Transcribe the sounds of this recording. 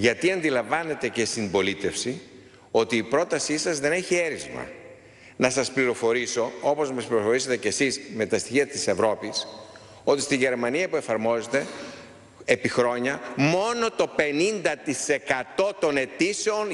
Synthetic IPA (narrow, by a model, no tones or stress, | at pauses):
ʝɐt̪iɐnd̪ilɐɱvɐne̞t̪e̞ce̞st̪imbo̞lit̪e̞fsi | o̞t̪iːpɾo̞t̪ɐsisɐzðe̞ne̞çie̞ɾizmɐ̰ | nɐsɐspliɾo̞fo̞ɾiso̞o̞po̞zmɐspliɾofo̞ɾiset̪e̞ce̞sizme̞t̪ɐst̪içiɐt̪ise̞vɾo̞pis | o̞t̪ist̪iʝe̞ɾmɐniɐpue̞fɐɾmo̞zet̪e̞ | epixɾo̞ɲɐmo̞no̞t̪o̞pe̞nind̪ɐt̪ise̞kɐt̪o̞t̪o̞ne̞t̪ise̞on